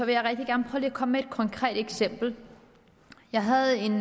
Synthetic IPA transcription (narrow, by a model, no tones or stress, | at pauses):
sɒ̽ʋe̝jɑ̈ɪʁɛɡ̥d̥iɡ̥æɐnpʰʁœːʊliːkʰɒ̽mmeed̥̚kʰɒ̽ŋkʰʁɛ̰ːd̥eɡ̥sem̰b̥l̩ | jɑ̈ɪɦæð̩ˠe̝n